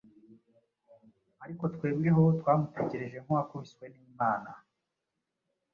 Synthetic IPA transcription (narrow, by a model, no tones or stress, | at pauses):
aɾiko̞twe̞ːb̚ɡe̞ɦo̞twaːmute̞ɟe̞ɾe̞ʒe̞ŋ̥uwakomiswe̞niːmaːna